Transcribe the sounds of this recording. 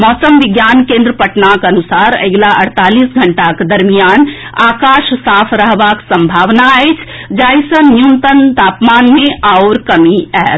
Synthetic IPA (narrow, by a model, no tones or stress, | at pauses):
mɔːsəmʋɪɡjaːnkẽːnd̪ɾəpəʈnakɐnʊsaːɾɐ̰ɡlaʔɐ̰ɽ̤t̪aːliːsɡʱɐɳʈaked̪ɐɾmijaːn | aːkaːʃsaːpʰɾəɦʋaksə̃mbʱaːʋnaet͡ʃʰ | d͡ʒaːisənnjunt̪ənt̪aːpmaːnmẽʔaʊɾkɐmiɛː